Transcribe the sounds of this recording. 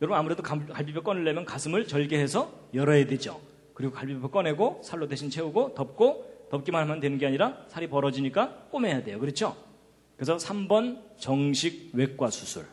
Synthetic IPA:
jʌɾʌbnamuɾe̞dokakaɭpipʰek͈ʌnɯɭːe̞mjʌnkasʰɯmɯɭt͡ɕʌɭɡeɦe̞sʰʌjʌɾʌɦedwe̞d͡ʑo̰ | kɯɾiɡokaɭpipʰepʰek͈ʌnɦe̞ɡosʰaɭːodeɕʰint͡ɕʰe̞uɡotʌp̚k͈otʌp̚k͈imanɦamɦandwe̞nɯnɡeaɲiɾasʰaɾipʌɾʌd͡ʑiɲik͈ak͈omɦe̞jadwe̞jokɯɾʌt͡ɕʰo | kes̬ʰʌsʰambʌnt͡ɕʌŋɕʰiɡ̚we̞k̚k͈wasʰusʰṵɭ

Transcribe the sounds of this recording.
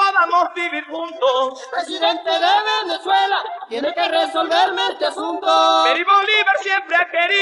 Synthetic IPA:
poðamozβiβiɾxũnt̪osepɾesiðẽnt̪eðeβeneswelat̪jenekeresolβeɾmẽnt̪easũnt̪opeɾiβoliβeɾsjempɾeakeɾi

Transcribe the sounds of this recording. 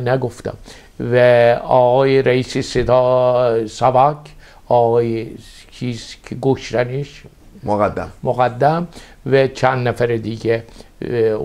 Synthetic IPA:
næɡoft̪æ̰m | væɒːɣɒːjeɾæiːseset̪ʰɑ | sæbɑkʰ | ɒːɣɒːje | t͡ʃʰiːz̥kʰeɡoʃt̪æniʃ | oɣæd̪ːmoɣæd̪ːæm | væt͡ʃʰænd̪næfæɾed̪iɡe

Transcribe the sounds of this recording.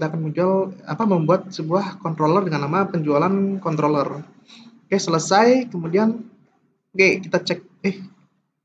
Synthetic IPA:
t̪aːkanməɲd͡ʒuala̰paməmbuat̪̚səbuahkɔnt̪ɾolərdəŋanːamapəɲd͡ʒualankɔnt̪ɾolər | kajasələsajkəmudian | ɡɛkit̪at͡ʃɛk̚ɪh

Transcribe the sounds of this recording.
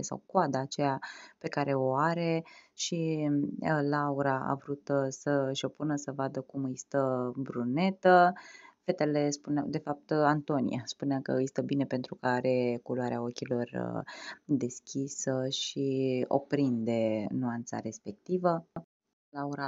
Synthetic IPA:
esa̰wkoad̪aːt͡ʃejape̞kaɾe̞o̞aɾe̞ʃi | lauɾaa̰vɾut̪səʃo̞punəsəvad̪əkumɨjst̪əbɾune̞t̪əfe̞t̪e̞le̞spunea̰d̪e̞fap̚t̪ant̪o̞nḭjaspuneakə̰ɨjst̪əbine̞pe̞nt̪ɾukəaɾe̞koloaɾeao̞kʲilo̞rə̰ | d̪e̞skʲisəʃio̞̰pɾind̪e̞nuant̪sa̰ɾe̞spe̞k̚t̪ivə | lauɾa

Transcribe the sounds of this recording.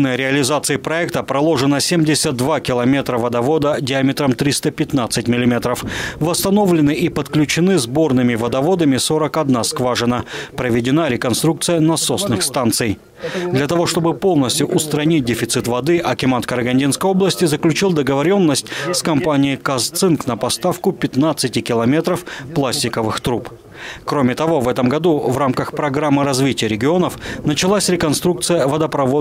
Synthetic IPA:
nəjɾʲɪɐlʲɪzat̪sɨɪpɾɐɛkt̪əpɾɐlˠo̞ʐɨnəsʲemʲdʲɪsʲət̪̚d̪vakʲɪlˠɐmʲe̞t̪ɾəvəd̪ɐvo̞d̪ədʲɪamʲɪt̪ɾəmt̪ɾʲist̪əpʲɪt̪nat̪sɨtʲmʲɪlʲɪmʲet̪ɾəfvəst̪ɐno̞vlʲɪnɨʔipət̪klʲʉt͡ɕɪnɨzbo̞rnɨmʲɪvəd̪ɐvo̞d̪əmʲɪso̞ɾəkɐd̪naskvaʐɨnəpɾəvʲɪdʲɪnaɾʲɪkɐnst̪ɾuk̚t̪sɨjənɐso̞snɨxst̪ant̪sɨj | d̪lʲɐt̪ɐvo̞ʂt̪o̞bɨpo̞lˠnəsʲtʲjʊʔʊst̪ɾɐnʲit̚ʲdʲɪfʲɪt̪sɨt̪vɐd̪ɨʔɐkʲɪmant̪kəɾəɡɐnʲdʲinskəjo̞blˠəsʲtʲɪzəklʲʉt͡ɕilˠd̪əɡəvɐɾʲo̞nːəsʲtʲskɐmpanʲɪjɪkast̪sɨnknəpɐst̪afkʊpʲɪt̪nat̪sɨtʲɪkʲɪlˠɐmʲe̞t̪ɾəfplˠasʲtʲɪkəvɨxt̪ɾup | kɾo̞mʲɪt̪ɐvo̞vɛt̪əmɡɐd̪uvɾamkəxpɾɐɡɾamːɨɾɐzvʲitʲɪjəɾʲɪɡʲɪo̞nəfnət͡ɕɪlˠasʲɾʲɪkɐnst̪ɾukt̪sɨjəvɐd̪əpɾɐvo

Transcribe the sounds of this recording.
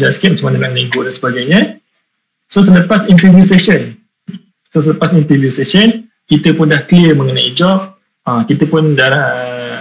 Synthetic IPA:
d͡ʒanskɛt̪̚mət͡ʃəmanamãŋənãiɡodansəbaɡajɲə̃ | sosələpasint̪əvjusɛsən | sos̬ələpasint̪əvjusɛsən | kit̪əpʊndahkliəmə̃ŋənaid͡ʒɔp̚ | akit̪əpʊndaɾahə

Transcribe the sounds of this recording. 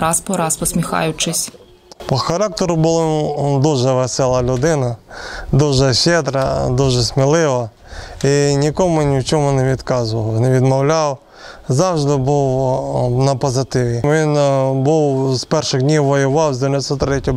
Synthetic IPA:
ɾɑspɔɾɑspɔsʲmʲixɑ̰jʊt͡ʃɪsʲ | pɔxɐɾɑk̚t̪eɾʊbʊlˠɔd̪uʒɛʋɛsɛlˠɐlʲʊd̪ɪnɐd̪uʒɛʃed̪ɾɐd̪uʒɛsʲmʲɪlˠɪʋɐ | inʲikɔmʊnʲiwt͡ʃɔmʊnɛʋʲit̪kɑzʊʋɐwneʋʲid̪mɔwlʲaw | zɑwʒd̪ɪbuw | nɐpɔzɪt̪ɪʋʲiʋʲinbuwspɛrʃɪɣdʲnʲiwʋɔjʊʋɑwzʲd̪ʲeenʲɔsɔt̪ːɾɛtʲɔ

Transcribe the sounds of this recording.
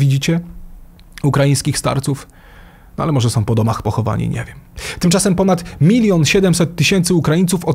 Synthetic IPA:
vʲid͡ʑit͡ɕɛ | ukɾajij̃skʲixst̪a̰ɾt̪suf | nɔʔa̰lɛmɔʐɛsɔ̃w̃pɔd̪ɔmaxpɔxɔva̰ɲḭɲɛ̰vʲjɛmt̪ɘmt͡ʂasɛmpɔnat̪mʲilʲjɔnɕɛd̪ɛmsɛt̪ːɘɕɛnt̪sɘukɾajint̪sufɔ

